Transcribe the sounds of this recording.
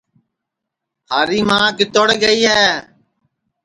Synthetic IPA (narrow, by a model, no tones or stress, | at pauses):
haːɾiːmãːkɪt̪oɽɡəiːɦɛː